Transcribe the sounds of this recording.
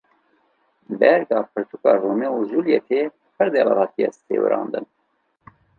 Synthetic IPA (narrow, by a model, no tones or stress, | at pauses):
bɛɾɡɑːpʰɨɾt̪ʰukɑːroːmeuzuljɛt̪ʰeː | pʰɨɾd̪elɑ̰lɑːt̪ijɛ̰st̪ʰḛːwɨ̰ɾɑ̰ːnd̪ɨ̰n